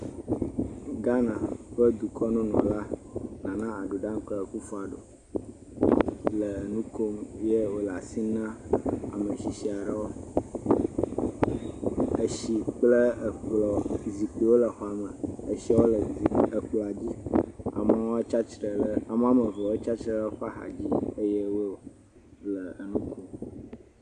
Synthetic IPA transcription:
ɡa˦nã˨ɸə˦d̪u˨kʰɔ˦nũ˦nɔ̰̃˨la˦nã˨nã˦a˨ɖu˨ɖã˦ŋ˦k͡plə˦˨ku˦fɔ˦a˨ɖo̰˨ | lə˨nũ˦ko˦mje˦wo˨la˨si˦nã˦a̰˨mə˨ʃi˨si˨a˨ɖə˦wo˦ | ə˨ʃi˨k͡plə˦ə˨k͡plɔ˨zi˨k͡pi˨wo˦lə˨xɔ˦a˨mə˨e˨ʃi˦wo˦lə˨zi˨ə˨k͡plɔ˨a˨d͡ʑi˦a̰˨ma˨˦o˦t͡ʃa˦t͡ʃɾə˨lə˦a˨m˦a˦mə˨vo˨wo˦t͡ʃa˦t͡ʃɾə˦lə˦xɔ˦a˦xa̰˨d͡ʑi˦ə˦je˦wo˦o˦ | lə˨nũ˦kʰo˦m

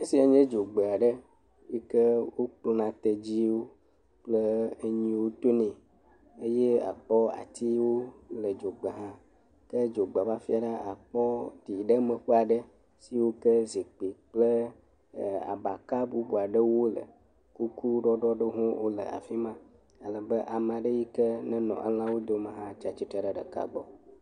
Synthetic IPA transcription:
e˦si˦a˨ɲẽ˦d͡ʒo˨ɡ͡be˨a˨ɖə˦ | je˦kə˦wo˦k͡po˦nã˨t̪e˨d͡ʑi˦wo˦ | k͡plə˦e˦ɲĩ˦wo˦t̪o˦nẽ˨ | e˦je˦a̰˨k͡pɔ˦a̰˨t̪i˦wo˦lə˨d͡ʒo˨ɡ͡bə˨ɦã˦ | kə˦d͡ʒo˨ɡ͡ba˨va˦fi˦a˨ɖa˦ʔa˨k͡pɔ˦t̪i˨ɖə˦mə̃˨ɸe˦a˨ɖə˦ | si˦wo˦kə˦zi˨k͡pi˨k͡plə˦˨ | a̰˨ba˨ka˦bu˦bu˨a˨ɖə˦wo˦lə̰˨ | ku˦ku˦ɖɔ˦ɖɔ˦ɖə˦ɦũ˦wʔo˦lə̰˨a̰˨fi˦mã˦ | a˨lə˨bə˦ʔa˨m˨ã˨ɖə˦ji˦kə˦nɛ̃˦nɔ̰̃˨ʔə̰˦l̃ã˦wo˦d̪o˦mə̃˨ɦã˦t͡ʃa˦t͡ʃi˦t̪ə˦ɖə˨ɖə̰˨ka̰˨ɡ͡bɔ̰˦

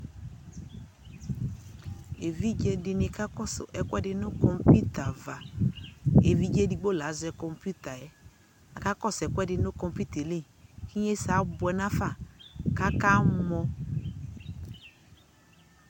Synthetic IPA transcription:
e˨vi˦d͡ʒe˦dɪ˧nɪ˨˦ka˦kɔ˦sʊ̰˨ʔɛ˨kʷɛ˦dɪ˦nʊ˦kɔ˨mpi˦ta˨va˨ | e˨vi˦d͡ʒe˦di˨ɡ͡bo˦˨la˨˦zʊ˨ɛ˦kɔ˨mpu˦ta˨jɛ˦ | a˨ka˦kɔ˦˨sɛ˨kwɛ˦dɪ˨nʊ˦kɔ˨mpiu˦t̪e˨le˦˨ | ki˦ɲe˦sa˨˦bʊ˨ɛ˨na˦fa˦˨ka˦ka˦mɔ˦

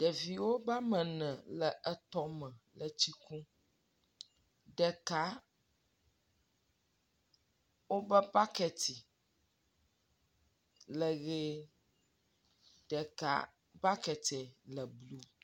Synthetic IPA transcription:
ɖ̥ɛ˨vi˨wo˦ba˦mɛ̃˨nɛ̃˨lɛ˨ʔɛ˨t̪ɔ˦mɛ̃˨lə˨t͡ɕi˦kũ˦ | ɖɛ˨ka˦ | wo˦bɛ˦ba˦kɛ˨t̪i˨ | lɛ˨ɣe˦ | ɖɛ˨ka̰˦ | ba˦kɛ˨t̪ɛ˨lɛ˨blu˦

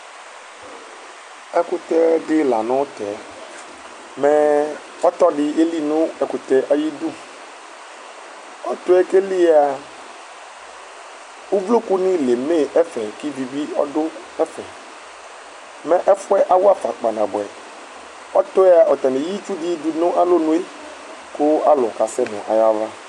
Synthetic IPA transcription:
ɛ˦kʊ˦t̪ɛ˦ɖɪ˦la̰˨nʊ̃˦t̪ɛ˨˦ | mɛ̃˦ | ɔ˦t̪ɔ˦ɖɪ˦e˦li˦nʊ̃˦ɛ˨kʊ˨t̪ɛ˦ʔa˨ji˦d̪u˦ | ɔ˦t̪ʊ˦ɛ˦ke˦li˦a˨ | wu˦vlo˦ku˦nɪ̃˦le˨me˦˨ɛ˦fɛ˨ki˦vi˨vi˦ɔ̰˦dʊ˦ | ɛ˦fɛ̰˨ | mɛ̃˨ʔɛ˦fʊ˦ɛ˦ʔa˦wʊ˦a˨fa̰˨k͡pa˨nã̰˨bʊ˨ɛ̰˨ | ɔ˦t̪ʊ˦ɛ˦a˨ʔɔ˨t̪a˨ne˨ji˦t͡ʃu˦dɪ˦du˨nʊ̃˦ʔa˦lo˦nũ˦e˦ | kʊ˦a˦lʊ˨ka˨sɛ˦mɛ̰˨ʔa̰˨ja˦va˦

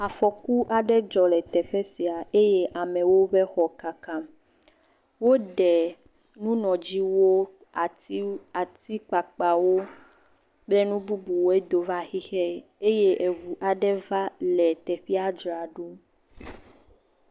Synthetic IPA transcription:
a˨fɔ˨ku˦ʔa˨ɖɛ˦d͡ʒɔ˨lɛ˨t̪ɛ˨ɸɛ˦si˨a˨e˦je˦ʔa˨mɛ̃˨wo˦ɸɛ˦xɔ˨ka˨ka˦m | wo˦ɖɛ˨ | nũ˦nɔ̃˨d͡ʑi˦wo˦ | a˨˦ | a˨t̪i˦k͡pa˨k͡pa˨wo˦ | blɛ˦nũ˦bu˦bu˨wo˦e˦d̪o˨va˦xi˦xɛ˦ | e˦je˦ʔe˨vu˨ʔa˨ɖɛ˦va˦lɛ˨t̪ɛ˨ɸi˦a˦d͡ʒɾa˨ɖo˦

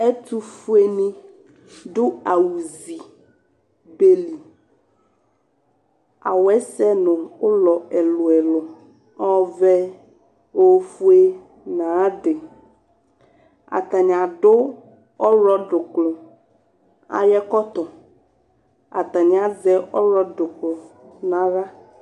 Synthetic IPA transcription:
ɛ˦t̪u˦fu˦e˦nĩ˦ | ɖʊ˦a˨wu˨zi˨ | be˦li˨ | a̰˨wɛ˦sɛ˦nɔ̃˨wo˦lɔ˨ɛ˨lo˨ɛ˨lo˨ | ɔ˦vɛ˦ | wo˦fu˦e˦ | nã˨˦ɖe˨ | a̰˨t̪a˨ɲ˨a˨ɖo˦ | ɔ˦ɾɔ˦ɖʊ˨klɔ˨ | a̰˨jɛ˦kɔ˦t̪ɔ˨ | a̰˨t̪a˨ɲ˨˦a˨zɛ˦ʔɔ˦ɾɔ˦ɖʊ˨klɔ˨nã˦ɾa˦

